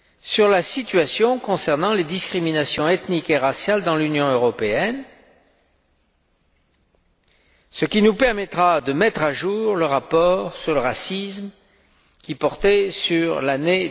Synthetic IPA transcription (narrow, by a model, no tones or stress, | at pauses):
syʁlasit̪ɥasjɔ̃kɔ̃sɛʁnɑ̃led̪iskχiminasjɔ̃ɛt̪nikeʁasjald̪ɑ̃lynjɔ̃øʁɔpeɛn | səkʲinupɛʁmɛt̪χad̪əmɛt̪χaʒuʁləʁapɔʁsyʁləʁasism | kʲipɔʁt̪ɛsyʁlane